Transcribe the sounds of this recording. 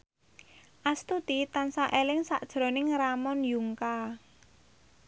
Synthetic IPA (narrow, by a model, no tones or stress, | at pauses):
ʔast̪ut̪it̪ansaʔelɪŋsaʔd̥ʒ̥ɾɔ̤nɪŋramɔnjuŋka